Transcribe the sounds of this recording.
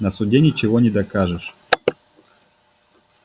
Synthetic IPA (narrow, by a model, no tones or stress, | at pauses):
nɐsʊdʲenʲɪt͡ɕɪvonʲɪd̪ɐkaʐɨʂ